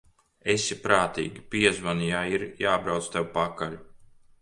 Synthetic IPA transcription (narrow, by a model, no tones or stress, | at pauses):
esipɾaːt̪ḭːɡʲipiɛzvanijaiɾjaːbɾawt̪st̪ewupakaʎʲu